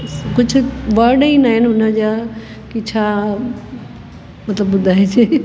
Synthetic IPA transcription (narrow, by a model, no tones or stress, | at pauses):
kʊd͡ʑʱʊ̆ʋəɾɖəĩnaːɦɪnɪɦʊnəd͡ʑaː | kit͡ɕʰaː | mɐt̪ləbbʊd̪ʱaːeseː